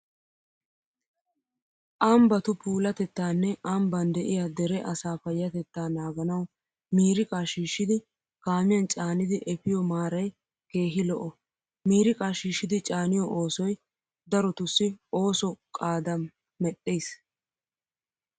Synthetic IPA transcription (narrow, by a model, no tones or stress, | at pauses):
ʔɐmbɐt̪ʊpʰuːlɐt̪ɛt̪ːaːnːɛʔɐmbɐnd̪ɛʔɪjad̪ɛɾɛʔɐsaːfɐjːɐt̪ɛt̪ːaːnaːɡɐnɐw | miːɾɪkʼaːʃiːʃːɪd̪ɪ | ɡ̥aːmɪjɐnt͡ʃʼaːnɪd̪ɪʔɛfɪjɔmaːɾɐj | ke̞ːɦɪlɔʔɔ | miːɾɪkʼaːʃiːʃːɪd̪ɪt͡ʃʼaːnɪjɔʔoːsɔj | d̪ɐɾɔt̪ʊsːɪo̞ːsɔkʼaːd̪ɐmː | ɛɗːeːs